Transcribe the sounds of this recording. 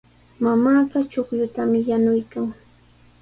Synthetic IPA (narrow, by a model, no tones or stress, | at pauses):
mamaːɢɑt͡ʃokʎʊt̪amɪjanʊjkaŋ